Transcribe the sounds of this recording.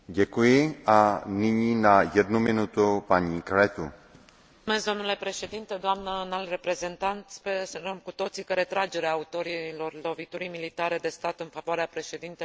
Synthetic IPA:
ɟɛkujɪʔanɪɲinajɛd̪numɪnut̪upaɲikɾɛt̪u | mesd̪omnule̞pɾe̞ʃe̞d̪int̪ed̪oamnənalrepɾezent̪ant̪spesəɾəmkut̪o̞t̪sikəɾet̪ɾad͡ʒeɾeaːut̪o̞ɾilo̞rlo̞vit̪uɾimilit̪aɾed̪e̞st̪at̪ɨnfavoaɾeapɾeʃed̪int̪e

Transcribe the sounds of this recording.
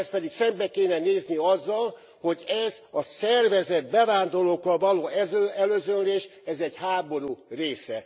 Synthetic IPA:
ɛspɛd̪iksɛmbɛkeːnɛneːzniɒzːɒl | ho̞ɟɛzɒsɛrvɛzɛd̪̚bɛvaːnd̪o̞loːkɒvɒloːɛɛløːzønleːʃɛzɛɟhaːbo̞ɾureːsɛ̰

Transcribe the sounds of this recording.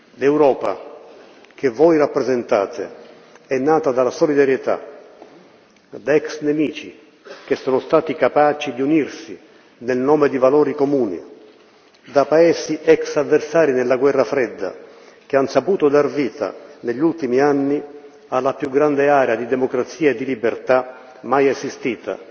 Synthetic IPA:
lɛwɾɔːpa̰ | k̟evɔjrapːɾezent̪a̰ːt̪ḛ | ɛnːaːt̪ad̪alasolid̪aɾjɛt̪a̰ | d̪aɛksnemiːt͡ʃi | k̟esːɔːnʊst̪aːt̪ikapaːt͡ʃid̪iunirsi | nelnɔːmed̪ivalɔːɾikomuːnḭ | d̪apaɛːsiʔɛksavːersaːɾinɛlːaɡwɛrːafɾɛd̪ːa̰ | k̟eansapuːt̪ʊd̪arviːt̪a̰neʎːult̪imianːi | alːapjuɡɾand̪eaːɾead̪id̪ɛmokɾat̪sːiːaed̪ːilibert̪a | majɛzist̪iːt̪a̰

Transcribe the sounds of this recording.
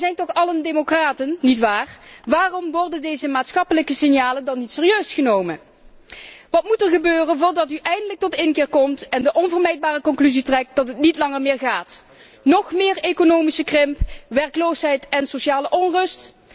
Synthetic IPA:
zɛjntɔχɑləndemokraːtənːitʋaːrʋaːrɔmʋɔɹdəndejzəmaːtsxɑpələkəsɪnjaːləndɑnːitsɪːrijøɥsχənowmən | ʋɑtmutəɹɣəbøːrənvʊːɹdɑtyʔɛjndələk̚tɔtɪnkɪːɹkɔmtɛndəʔɔnvəɹmɛjd̚baːrəkɔnklyzitrɛk̚t̚d̥ɑtɦətnitlɑŋəɹmɪːɹɣaːt | nɔxmɪːɹekonowmisəkrɪmpʋɛɹklowsɦɛjtɛnsoʃaːləʔɔnrɵst

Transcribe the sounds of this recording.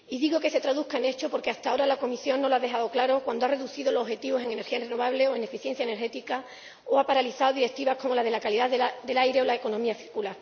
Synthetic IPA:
iðiɣo̞ke̞se̞t̪ɾaðukaene̞t͡ʃo̞po̞ɾke̞ast̪ao̞ɾalako̞misjo̞nno̞laðe̞xaðo̞klaɾo̞kwand̪oare̞ðuθiðo̞looxe̞t̪iβo̞se̞ŋe̞ne̞ɾxiaenreno̞β̞aβle̞oe̞ne̞fiθjen̟θjaeneɾxe̞t̪ika | oapaɾaliθaoðiɾe̞k̚t̪iβahko̞mo̞lað̞e̞lakaliðaðead̪e̞lajɾe̞o̞laeko̞nõ̞miaθiɾkulaɾ

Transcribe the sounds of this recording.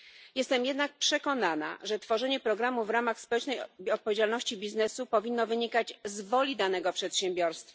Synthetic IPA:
jɛst̪ɛmjɛd̪nak̚pʂɛkɔnana̰ʐɛt̪fɔʐɛɲɛpɾɔɡɾamuvɾamaxspɔwɛt͡ʂnɛjɔt̪̚pɔvʲed͡ʑalnɔɕt͡ɕibʲiznɛsupɔvʲinːɔvɘɲikad͡ʑzvɔlʲid̪anɛɡɔpʂɛt̪ɕɛ̃mbʲjɔɾst̪fa

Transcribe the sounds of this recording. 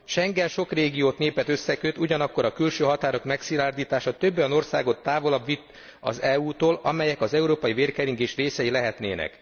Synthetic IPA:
ʃɛŋɡɛnʃo̞kreːɡijoːt̪neːpɛt̪ø̞sːɛkøt̪uɟɒnɒkːo̞ɾɒkylʃøːɦɒt̪aːɾo̞kmɛksilaːrd̪iːt̪aːʃɒt̪øbːojɒno̞rsaːɡo̞t̪ːaːvo̞lɒbʋit̪ː | ɒ̰zɛuːt̪oːlɒ̰mɛjɛkɒzɛuɾoːpɒjiveːrkɛɾiŋɡeːʃreːsɛjilɛɦɛt̪neːnɛ̰k

